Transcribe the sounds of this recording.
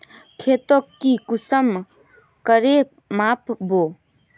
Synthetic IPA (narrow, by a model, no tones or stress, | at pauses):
kʰet̪okːikʊsəm | kəɾe | maːpbo